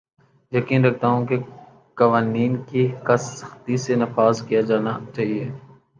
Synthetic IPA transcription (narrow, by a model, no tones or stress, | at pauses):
jəkiːnɾək̚ʰt̪aːɦũke | kɐʋaːniːnkikɐsəxt̪isenɐfaːzkijad͡ʒaːnat͡ʃaːɦieː